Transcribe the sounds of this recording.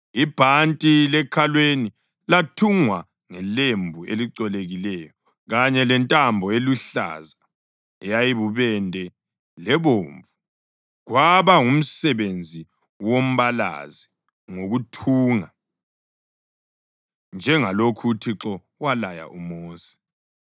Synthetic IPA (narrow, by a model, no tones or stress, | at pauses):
ib̥ʱantʼilɛkʰalweni | latʰuŋwa | ŋɛlembʱueliǀɔleɣilɛjɔ | ɣaɲɛlɛntʼambʱɔeluɬa̰za | ɛjajiβuβɛndʱɛ | lɛβoːɱvu | ɣwaβaum̩sɛβend͡zʱi | wom̩βala̰zi | ŋoɣutʰuːŋa | nd͡ʒʱɛŋalokʰutʰiǁɔ | walaja̰ʔumoːsi̥